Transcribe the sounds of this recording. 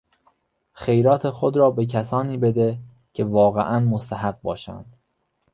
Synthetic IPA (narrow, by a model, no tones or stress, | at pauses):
xe̞jɾɒːt̪ʰe̞xod̪ɾɒːbe̞cʰæsɒːniːbe̞d̪e | cʰe̞vɒːɣḛʔænmost̪ʰæɦæɢ̚bɒːʃæ̰nd̪̥